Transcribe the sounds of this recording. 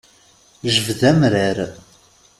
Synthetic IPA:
ʒəvðæmɾəɾ

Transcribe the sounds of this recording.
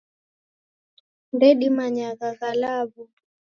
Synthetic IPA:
ndɛɗimaɲaɣaɣalaβu

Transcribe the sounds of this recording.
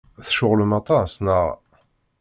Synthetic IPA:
θʃʊʁləmæt̪ˤɑsnəʁ

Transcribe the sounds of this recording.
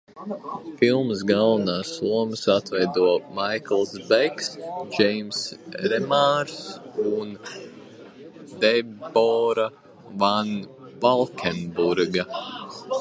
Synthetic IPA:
filˠmsɡalˠvnaːsuɔmɨsat̪vɛjd̪uɔmajklˠsbɛksd͡ʒɛjmsɾɛmaɾsun | d̪ɛbɔɾa | vanvalˠkʲʰɛnbuɾɡa

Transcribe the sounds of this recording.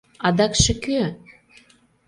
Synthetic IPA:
ɑd̪ɑkʃə̆kø

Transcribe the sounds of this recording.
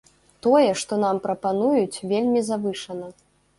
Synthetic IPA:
t̪ɔjɛʂt̪ɔnampɾɐpanujut͡sʲvʲelʲmʲizavɨʂɐnɐ

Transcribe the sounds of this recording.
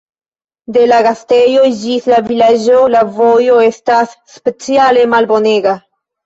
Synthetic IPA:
de̞laɡastejo̞d͡ʒislavilad͡ʒo̞lavo̞jo̞e̞stasːpe̞t͡siale̞malbo̞ne̞ɡa

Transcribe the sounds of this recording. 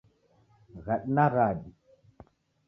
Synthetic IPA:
ɣaɗnaɣadi

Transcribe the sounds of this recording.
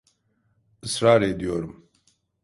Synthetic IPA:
ɨsɾaːɾed̪ijoɾum

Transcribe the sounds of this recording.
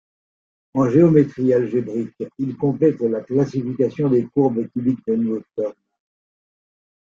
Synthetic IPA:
ɑ̃ʒeɔmet̪χialʒebʁikilkɔ̃plɛt̪laklasifikʲasjɔ̃d̪ekuʁbəkybik̚d̪ənuot̪ɔʁn

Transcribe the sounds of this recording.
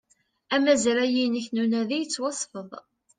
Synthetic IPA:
æmæzælæjinəçnunæðijət͡sːwɑsˤfəðˤ

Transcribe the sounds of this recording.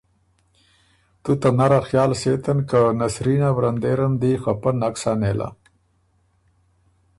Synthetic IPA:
t̪ut̪anaɾaxjɑːlset̪ənkanasɾinawɾand̪eːɾamd̪ixapənaksanelʔa̰

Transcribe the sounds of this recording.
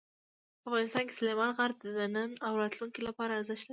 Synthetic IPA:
afɣɑnɪst̪ɑnke̥slemɑlɣaɾd̪̚əd̪anənawɾat̪luŋkelapɑɾaːɾzəʃlaɾi

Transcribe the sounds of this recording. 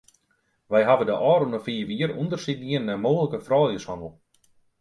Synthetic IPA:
ʋɛjɦavədəʔɔːɾunəfiːʋiəɾundərsit̚niənːɛmoːɣələkəfrɔːljəshɔnəl̩ˠ

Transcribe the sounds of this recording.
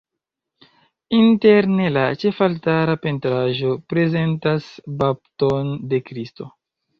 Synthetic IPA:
inteɾnelat͡ʃe̞faltaɾape̞ntɾaʒo̞pɾe̞ze̞ntasbap̚tonde̞kɾisto̞̰

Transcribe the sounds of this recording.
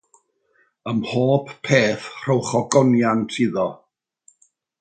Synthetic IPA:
əmhoːppʰeːθr̥əwχɔɡɔnjantʰiðɔ

